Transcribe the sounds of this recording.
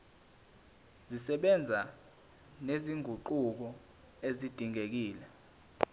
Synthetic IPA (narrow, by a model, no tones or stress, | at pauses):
zisɛɓɛnd͡zʱa | neziŋʱuǃuk̬ɔ | ezid̥ʱiŋek̬iːlɛ